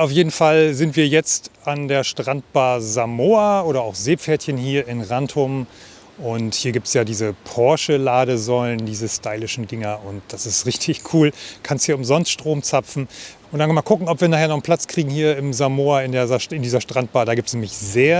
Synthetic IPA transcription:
ʔaʊfjeːdn̩falzɪntv̥iːɐjɛt͡standeːɐʃtʁ̥ant̚b̥aːzamoːɐʔoːɾɐaʊxz̥eːp͡fɛːɐtçənhiːɐɪnʁantʰʊm | ʔʊnthiːɐɡiːp̚tsjaːdiːzəpʰɔɐʃəlaːɾəzɔləndiːzəstaɪlɪʃn̩dɪŋɐʊnt̚d̥asɪstʁɪçtʰɪçkʰuːlkʰansthiːɐʊmzɔnstʃtʁ̥oːmt͡sapp͡fn̩ʔʊntd̥ankmalkʰʊkŋ̩ɔpv̥iːɐnaːχheɐnɔχn̩pʰl̥at͡skʁ̥iːɡŋ̩ɦiːɐɪmzamoːɐɪndeːɐzaɐɪndiːzɐʃtʁ̥ant̚b̥aːdaːɡiːptsnːmɪçzeːɐ

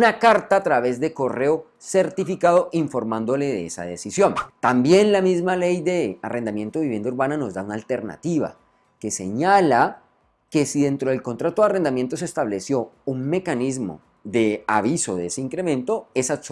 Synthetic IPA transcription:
nakaɾt̪aːt̪ɾaβe̞zd̪e̞ko̞re̞o | se̞ɾt̪ifikaðo̞ʔiɱfo̞ɾmãnd̪o̞le̞ðeḛsa̰ð̞e̞sisjõ̞nt̪ambje̞nlamizmale̞jd̪e̞are̞nd̪amje̞nt̪oβiβje̞nd̪auɾβanano̞zd̪aunaːlt̪e̞ɾna̰t̪iβa̰ | ke̞se̞ɲala | ke̞siðe̞nt̪ɾo̞ð̞elko̞nt̪ɾat̪oðare̞nd̪amje̞nt̪o̞se̞st̪aβle̞sjo̞unme̞kanizmo̞̰ | ðe̞aβiso̞ðeeseiŋkɾe̞mẽ̞nt̪o̞e̞sas

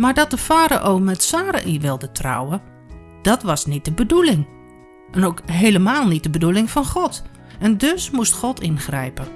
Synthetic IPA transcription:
maːɹdɔt̚dəfaːɾa̰ʔowmɛtsaːɾa̰ʔiʋɪlˠdətra̰wə | d̥ɑtʋɑsnit̚dəbədulɪŋ | ʔɛnowkɦejləmaːlˠnit̚dəbədulɪŋfɑnχɔt | ɛndøsmustχɔtʰɪnχrɛ̰jpə

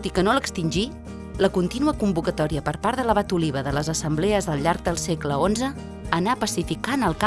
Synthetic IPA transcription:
t̪ikənoləkst̪inʲʒi | ləkunt̪inuəkumbukət̪ɔɾiəpəɾpaɾðələβ̞at̪uliβ̞əðələzəsəmblɛəzðəlˠʎaɾk̚d̪əlˠsɛkləonzəː | napəsifikanəlˠka

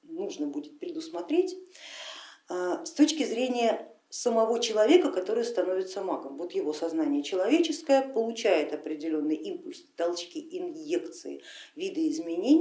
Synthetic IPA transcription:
nuʐnəbudʲɪt̪̚pɾʲɪd̪ʊsmɐt̪ɾʲetʲ | əst̪o̞t͡ɕkʲɪzɾʲenʲɪjə | səmɐvo̞t͡ɕɪlˠɐvʲe̞kəkɐt̪o̞ɾɨjəst̪ɐno̞vʲɪt̪səmaɡəmvot̪jɪvo̞sɐznanʲɪjət͡ɕɪlˠɐvʲet͡ɕɪskəjəpəlˠʊt͡ɕæjɪt̪ɐpɾʲɪdʲɪlʲo̞nːɨjʔimpʊlʲst̪alˠt͡ɕkʲɪʔɪnjekt̪sɨ̰ɪ̰vʲid̪əɪzmʲɪnʲenʲ

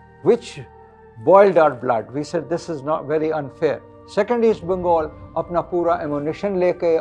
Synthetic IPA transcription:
ʋɪt͡ʃ | bɔːɪlɖaʊɾblɐ̰ɖʋiːseɖd̪ɪsɪznɔːʈʋɛɾiɐ̃nfeːɾ | sɛkə̃ɳɖisʈ̚bɪ̃ŋɡɔːlɐpnapuːɾaʔɛmjunɪʃə̃nleːke

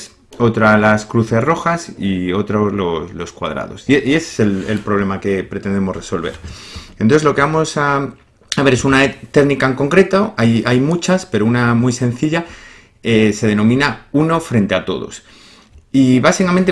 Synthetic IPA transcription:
s | o̞t̪ɾalaskɾuθe̞sro̞xasio̞t̪ɾozloslo̞skwa̰ð̞ɾa̰ð̞o̞̰sieʔie̞se̥selḛlpɾo̞β̞le̞make̞pɾe̞t̪e̞nd̪emo̞zre̞so̞lβ̞e̞̰ɾent̪onθezlo̞ke̞βamo̞sa | aβe̞ɾe̞sunat̪e̞ɣnikaeŋko̞ŋkɾe̞t̪oajajmut͡ʃaspe̞ɾounamujsẽ̞n̟θiʎa | ese̞ð̞e̞nõ̞mĩnauno̞fɾe̞nt̪e̞at̪o̞̰ðo̞̰s | iβasikamẽnt̪e

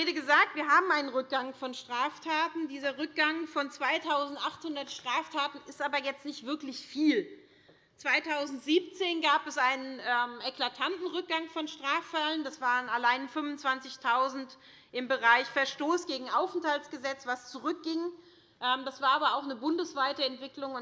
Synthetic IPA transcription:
eːdəɡəzaːk̚tv̥iːɐɦaːbm̩ʔaɪnənʁʏk̚ɡ̥aŋfɔnʃtʁ̥aːftʰaːtn̩diːzɐʁʏk̚ɡ̥aŋfɔnt͡sv̥aɪtʰaʊzn̩tʔaχthʊndɐtʃtʁ̥aːftʰaːtn̩ɪstʔaːbɐjɛt͡stnɪçtv̥ɪɐklɪçfiːl | t͡sv̥aɪtʰaʊzn̩tz̥iːp̚t͡seːnɡaːpɛsʔaɪnənʔɛːmʔɛklatʰantn̩ʁʏk̚ɡ̥aŋfɔnʃtʁ̥aːffaləndasv̥aːʁənalaɪnfʏmvʊnt͡sv̥ant͡sɪçtʰaʊzn̩t | ʔɪmbəʁaɪçfɛɐʃtoːsɡ̥eːɡŋ̩ʔaʊfn̩thaltsɡ̥əzɛt͡sv̥ast͡suʁʏk̚ɡ̥ɪŋ | ʔɛːmd̥asv̥aːɐʔaːbɐaʊxnəbʊndəsv̥aɪtəɛntv̥ɪklʊŋʊn

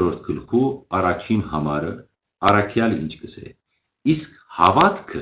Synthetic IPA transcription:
ɾɔɾt̪ʰkʰəlχuɑrɑt͡ʃʰinhɑmɑɾə | ɑɾɑkʰjɑlḭnt͡ʃʰkəsɛ̰ | iskhɑvɑt̪kʰə

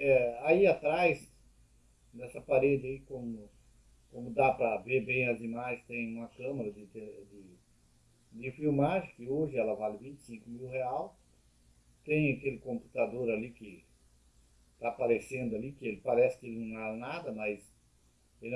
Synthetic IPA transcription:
ɛaiat̪ɾajz | d̪ɛsɐpaɾed͡ʒ̪ɪaikõmʊ | kõmʊd̪apɾɐveɾbẽj̃ɐzimaʒẽst̪ẽj̃ũmɐkɐ̃mɐɾɐd̪ɪt̪ed̪ɪ | d̪ɪfiwmaʒɪ̃kɪoʒɪɛlɐvalɪvĩnt͡ʃ̪ɪ̥sĩŋkʊmiwheaw | t̪ẽj̃akelɪkõmpu̥t̪ad̪oɾalikɪ | t̪apaɾesẽnd̪ʊalikɪelɪpaɾɛsɪ̥kɪelɪnɐ̃w̃anad̪ɐmɐs | e

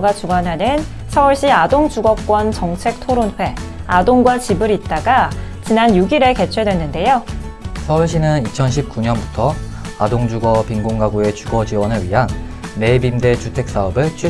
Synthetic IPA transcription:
ɡat͡ɕuɡwanɦanɯn | sʰʌuɭɕ͈iadoŋd͡ʑuɡʌk͈wʌnt͡ɕʌŋt͡ɕʰe̞k̚tʰoɾonɸwe̞adoŋɡwat͡ɕibɯɾit̚t͈aɡat͡ɕinanjuɡiɾe̞ke̞t͡ɕʰwedwe̞nːɯnde̞josʰʌuɭɕ͈inɯnit͡ɕʰʌnɕʰip̚k͈uɲʌnbutʰʌ | adoŋd͡ʑuɡʌpiŋɡoŋɡaɡue̞t͡ɕuɡʌd͡ʑiwʌnɯɭɥiɦanː | e̞bimde̞t͡ɕutʰe̞k̚s͈aʌbɯɭt͡ɕʰi

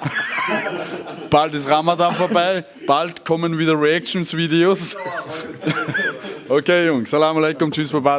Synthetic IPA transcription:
b̥altɪsʁamadamfoɐbaɪ | b̥altkʰɔmənviðəʁiɛk̚ʃn̩sviːdeoːs | okeːjʊŋsalaːmɐleɪkʊmt͡ʃysbaɪba

